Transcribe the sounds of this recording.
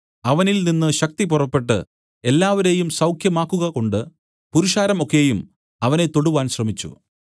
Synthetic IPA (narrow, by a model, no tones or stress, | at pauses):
ɐʋɐnilninːɨɕɐk̚t̪ip̬urɐpːe̞ʈːɨ̰ | e̞lːaːʋɐɾe̞jumsɐwkʰjɐmaːkːuɣɐko̞ɳɖɨ | puɾuʂaːɾɐmo̞kːe̞jum | ɐʋɐne̞t̪o̞ɽuʋaːnɕrɐmit͡ɕːṵ